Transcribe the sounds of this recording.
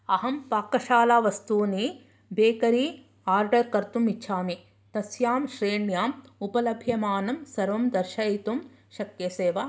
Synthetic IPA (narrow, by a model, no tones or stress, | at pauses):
ɐɦɐmpaːkːɐʃaːlaːʋɐst̪uːni | beːkɐɾiː | aːɾɖɐɾkɐɾt̪umitːʃʰaːmi | t̪ɐsjaːmʃɾeːɳjaːmupɐlɐbʱjɐmaːnɐmsɐɾʋɐmd̪ɐɾʃɐit̪um | ʃɐkjeseːʋɐ